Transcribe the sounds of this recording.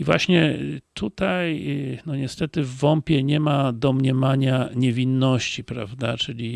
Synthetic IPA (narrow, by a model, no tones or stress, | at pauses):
ivwaɕɲɛt̪ʰut̪ajnɔɲɛst̪ɛt̪ɘvːɔmpʲjɛɲɛmad̪ɔmɲɛmaɲaɲɛvʲinːɔɕt͡ɕipɾa̰vd̪at͡ʂɘlʲi